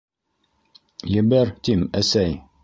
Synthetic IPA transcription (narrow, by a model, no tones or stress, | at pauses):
jɘ̆bɘɾt̪imæsæj